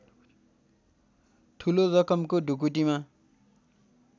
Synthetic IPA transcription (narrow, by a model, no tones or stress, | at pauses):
ʈʰuloɾʌkʌmkoɖʱuk̬uʈ̬ima